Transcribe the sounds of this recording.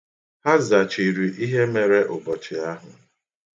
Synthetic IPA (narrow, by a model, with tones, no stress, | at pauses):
ha˦za˨t͡ʃi˨ɾi˨ʔi˦ɦe˦me˨ɾe˦ʔʊ˨bɔ˨t͡ʃɪ˨a˦ɦʊ˨